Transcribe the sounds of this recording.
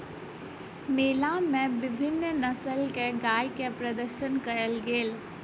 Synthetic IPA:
meːlamẽbɪbʱɪnːnəsəlkeɡaːjkepɾəd̪əɾʃənkəɾəlɡeːl

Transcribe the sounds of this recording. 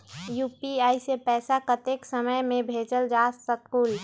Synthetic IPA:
juːpiaːisepɛːsakət̪eːksəməjmẽbʱeːt͡ʃəld͡ʒaːsəkuːl

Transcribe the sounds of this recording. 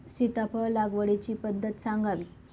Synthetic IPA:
sit̪apəɭlaɡʋəɽet͡ɕiːpəd̪ʱːət̪saŋɡaʋiː

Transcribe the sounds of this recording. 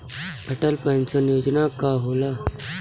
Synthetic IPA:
əʈəlpãnt͡ɕənjod͡ʑnakaɦola

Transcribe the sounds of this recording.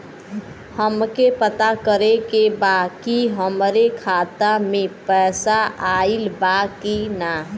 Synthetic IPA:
həmkepət̪akəɾekebakiɦəmɾekʰat̪amepɛːsaailbakina

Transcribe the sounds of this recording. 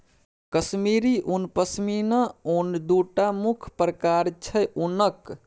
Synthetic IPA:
kəsmiɾiʔunpəsminəund̪uʈamukʰpɾəkaɾt͡ʃʰəjʔunək

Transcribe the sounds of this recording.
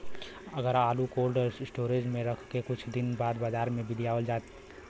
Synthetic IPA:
əɡəɾaːlukoːlɖəɾɪsʈoːɾed͡ʒmẽɾəkʰkekʊt͡ʃʰd̪ɪnbaːd̪bad͡ʒaːɾmẽbɪlijaəld͡ʒat̪

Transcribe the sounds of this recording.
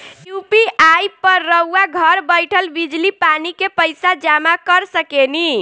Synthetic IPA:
jupiajpəɾːəuaɡʱəɾbəjʈʰəlbid͡ʒlipanikepəjsad͡ʒamakəɾsəkeni

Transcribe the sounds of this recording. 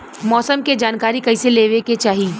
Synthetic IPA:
mɔːsəmked͡ʒaːnkaːɾikɐɪseleːʋeket͡ʃaːɦiː

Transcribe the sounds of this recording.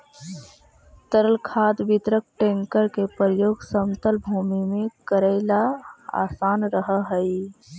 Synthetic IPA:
t̪əɾəlkʰad̪bit̪ɾək̚ʈẽŋkəɾkepɾəɾəjoːɡsəmt̪əlbʱuːmimẽkəɾəɪlaa̰ːsaːnɾəɦəɦəi

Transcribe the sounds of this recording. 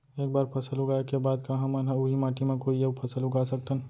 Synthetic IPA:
eːk̚baːɾpʰəsəlʊɡaekebaːd̪kɐɦãmanɦãʊɦimaːʈimẽkoːiəbpʰəsəlɦʊɡasək̚t̪ən

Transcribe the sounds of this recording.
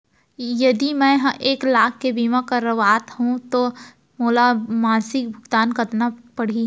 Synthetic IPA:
jɐd̪imɛ̃ɦʔeːklaːkʰːebiːmãkɐɾɐʋaːt̪ɦũt̪o | moːlamaːsɪk̚bʱʊɡt̪aːnkɐt̪napɐɽ̤i

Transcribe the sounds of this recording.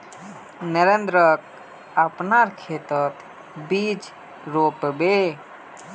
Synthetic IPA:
nəɾend̪ɾək̚ | apnaɾkʰet̪ət̪ | bid͡ʒ | ɾopbe

